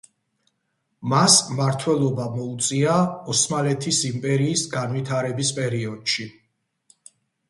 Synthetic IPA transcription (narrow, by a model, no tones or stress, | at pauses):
masmaɾt̪ʰwɛlˠɔbamɔut̪sʼiaɔsmalɛt̪ʰisimpʼɛɾiːsɡanwit̪ʰaɾɛbispʼɛɾiɔd̪̥ʃi